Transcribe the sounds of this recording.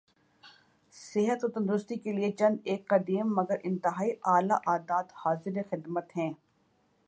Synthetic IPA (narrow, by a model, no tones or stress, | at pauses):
sɪɦət̪ot̪ɐ̃nd̪ɾʊst̪ikeliet͡ʃɐ̃nd̪eːkːɐd̪iːmːɐɡəɾʔɪ̃nt̪ɪɦaːiʔaːlaʔaːd̪aːt̪haːzɪɾexɪd̪mət̪ɦɛ̃ː